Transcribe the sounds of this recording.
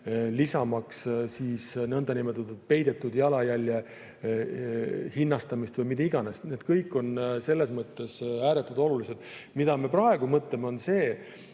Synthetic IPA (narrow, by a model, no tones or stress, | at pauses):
lisɑmɑkssiːsnɤnd̪ɑnimet̪ːˑud̪et̪̚pe̞jd̪̥e̞t̪ːˑud̪jɑlɑjælʲːje | hinːɑst̪ɑmist̪vɤjmit̪ːeiɡ̥ɑnest̪ned̪̥kɤjkːˑo̞nse̞lːe̞smɤt̪ːe̞sæːɾet̪ːˑud̪̥o̞lulise̞d̪̥ | mid̪̥ɑme̞prɑe̞ɡ̥umɤt̪ˑle̞meo̞nse̞ː